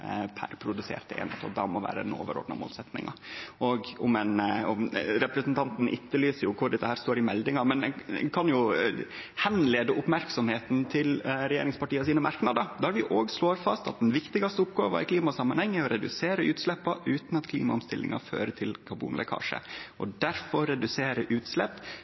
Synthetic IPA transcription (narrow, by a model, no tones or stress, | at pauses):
pʰæ̰ɾpʰɾʊd̪ʉsḛːɾt̪əḛːnɛt̪ʰɑ̰ːld̪ɑmɔʋæ̰ːɾəɛno̰ːʋə̰ɾo̰ːd̪nɑ̰mo̰ːlsɛt̪nɪ̰ŋɑ̰ʔɔɡʊmɛnɔmɾɛpɾɛsnt̪ʰɑnt̪n̩ʔɪ̰t̪ːəlyːsəɾjʊkʰʊɖɛt̪ːəhæːɾst̪oːɾɪmɛld̪ɪŋɑmɛnɛ̰kʰɑnjʊ | hɛnleːd̪əʔʊpmæɾksɔmheːt̪n̩t̪ʰɪlɾɛjḛːɾɪŋspɑʈiːəs̬iːnəmɑɾknɑd̪əɾd̪ɛæɾʋɪʔoːɡsloːɾfɑst̪ɑ̰t̪̚d̪ɛnʋɪkt̪ɪɡɑst̪əʊpɡoːʋə̰ɾɪkʰliːmɑsɑmːɑnhɛŋːəæɾɔɾɛd̪ʉseːɾəʉːt̪slɛpːɑʔʉːt̪n̩ɑt̪kʰlḭːmɑʊmst̪ɪlːɪ̰ŋɑ̰fø̰ːɾəʈ̪ʰɪlkʰɑbṵːnlɛ̰kʰɑ̰ːʂə̰ʔɔd̪æɾfɔɾːɛd̪ʉseːɾəʔʉːt̪slɛpː